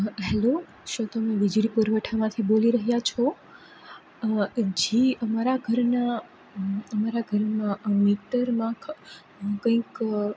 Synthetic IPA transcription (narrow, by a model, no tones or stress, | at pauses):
ɦɛlo | ʃõt̪əmẽʋid͡ʒɽipuɾʋəʈʰamãt̪ʰiboliɾəɦjat͡ʃʰo | d͡ʒeəmaɾaɡʱəɾna | əmaɾaɡʱəɾmãmiʈəɾmã | kə̃ĩk